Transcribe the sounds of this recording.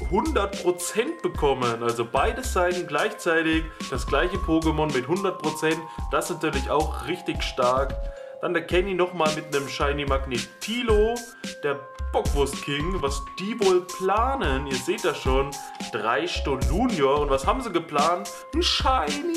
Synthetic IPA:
hʊndɐt̚pʁ̥ot͡sɛnt̚b̥əkʰɔmənalzobaɪdəsz̥aɪtn̩ɡlaɪçt͡saɪtɪçd̥asɡ̥laɪçəpʰoːɡəmɔnmɪthʊndɐt̚pʁ̥ot͡sɛntd̥aɪstnatʰyːɐlɪça̰ʊxʁɪçtɪçʃtaɐk | d̥anɛɐkʰɛninɔχmaːlmɪtnəmʃaɪnimaɡnetʰiːlo | d̥eːɐ | b̥ɔkv̥ʊɐstkʰɪŋvasd̥iːvoːlpʰl̥aːnəniːɐzeːt̚d̥aʃoːn | d̥ʁaɪʃtoluːnjoɐʊntv̥ashaːbm̩ziːɡəpl̥aːnt | n̩ʃaɪni

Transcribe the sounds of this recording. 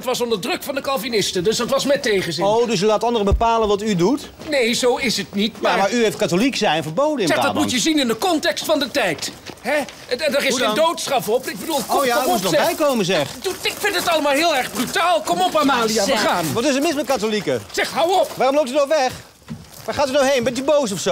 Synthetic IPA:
ətʋɑsɔndəɹdrɵkfɑndəkɑlˠvinɪstədøsdɑtʋɑsmɛtejχəzɪowdɵsylaːtɑndərəbəpaːlənʋɑtydut | nejzowɪsətnitmamaɹyheft̚katoliksɛjɛnfəɹbowdəɪsɛdɑmujəzinɪndəkɔntɛkstfɑndətɛjtɦɛ | ɛdərɪsdowtsχɑfɔpɪɡ̚bədulˠɔaɔɔɛbɛjkowməzɛχuɪkfɪntətɑlˠəmaːlˠɦɪːlˠɛɹχbrytaːlˠkɔmɔpamaːliaaːnʋɔtɪs̬ətmɪnsmɛt̚katolikəsɛχɦawɔpʋaːrɔmlowp̚tynɔxʋɛχ | ʋaχaːtynoɦejnbɛntybows̬ɔfso

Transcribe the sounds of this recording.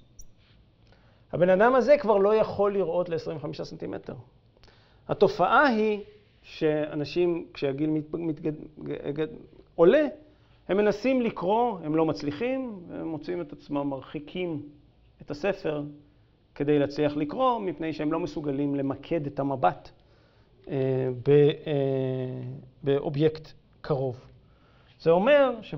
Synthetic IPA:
habe̞nadamaze̞kvaʁlo̞jaχo̞lːiʁʔo̞tleesʁimveamiʃasent̪imḛtḛʁ | ha̰to̞faʔaɦi | ʃe̞a̰naʃimkʃeaɡilmimit | o̞le̞ | he̞mːe̞nasimlikʁo̞he̞mlomat͡sliχimveemːo̞t͡sime̞t̪at͡smamːaʁχikʰim | e̞tase̞fe̞ʁ | ke̞d̪e̞jleat͡sliɐχlikʁo̞mipnejʃee̞mlo̞mesuɡalimle̞makʰe̞detamabat | ebe | beʔo̞̰bje̞kt | kʰaʁo̞v | z̥eo̞me̞ʁʃe

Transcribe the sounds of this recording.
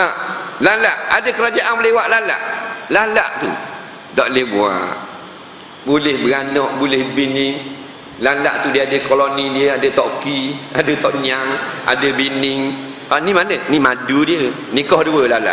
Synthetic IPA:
alalaʔadəkəɾad͡ʒaʔaŋbəlewaʔlala̰ʔlalaʔt̪ṵ | dɔʔlehbua̰ʔ | bulɪhbəɡanɔʔbulɪhbinɪŋ | lala̰ʔt̪udiəadəkolonidiəadət̪ɔʔkiadət̪ɔʔɲaŋa̰dəbinɪŋ | animanənimadudiə | nikɔhduəlala̰ʔ

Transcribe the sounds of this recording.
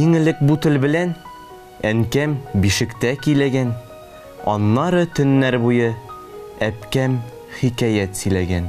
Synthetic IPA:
iŋɘ̆lɘk̚but̪ɘ̆lbɘ̆læn | æŋkæmbiʃɘ̆kt̪ækijlæɡæn | ɒ̰nːɑɾɤt̪ɵ̆nːæɾbujɤ | æpkæm | χikæjæt̪sɘ̆læɡæn

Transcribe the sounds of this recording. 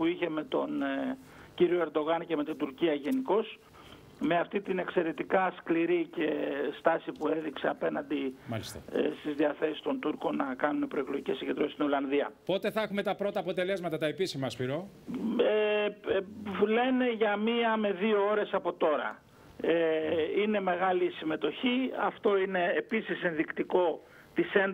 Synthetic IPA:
puiçe̞me̞t̪o̞n | ciɾio̞e̞ɾd̪o̞ɣɐnce̞me̞t̪ind̪uɾciɐʝe̞niko̞s | me̞ɐft̪it̪ine̞kse̞ɾe̞t̪ikɐskliɾice̞st̪ɐsipue̞ðikseɐpe̞nɐnd̪imɐ̰lḭst̪ɐ̰st̪izðiɐθe̞si̥st̪o̞nt̪uɾko̞nɐkɐnunepɾo̞ekloʝicesiɲɟend̪ɾost̪ino̞lɐnðiɐ̰po̞t̪e̞θɐexume̞t̪ɐpɾo̞t̪ɐːpo̞t̪e̞le̞zmɐt̪ɐt̪ɐepisimɐspiɾo̞ | e | vule̞ne̞ʝɐmiɐme̞ðiooɾe̞sɐpo̞t̪o̞ɾɐ̰ | eine̞me̞ɣɐlisime̞t̪o̞çiɐft̪o̞ine̞ːpisise̞nðikt̪iko̞ | t̪ise̞nd̪

